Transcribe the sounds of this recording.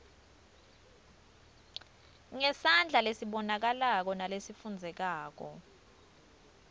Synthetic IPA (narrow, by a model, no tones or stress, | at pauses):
ŋɛsand͡ɮʱalesiɓɔnak̬alak̬ɔnalesifund͡zʱɛk̬aːk̬ɔ̰